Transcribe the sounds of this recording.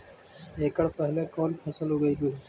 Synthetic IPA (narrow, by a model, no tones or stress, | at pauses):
eːkəɽpəɦɪlẽkɔːnpʰəsəlɦoːɡəiːbu